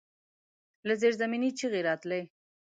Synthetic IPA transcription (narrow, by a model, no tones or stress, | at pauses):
lazeɾzaminit͡ʃiɣeɾɑt̪ləj